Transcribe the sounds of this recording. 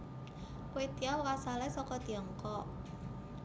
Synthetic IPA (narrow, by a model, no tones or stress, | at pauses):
ket̪iawɾasalasɔkɔt̪iɔŋkɔ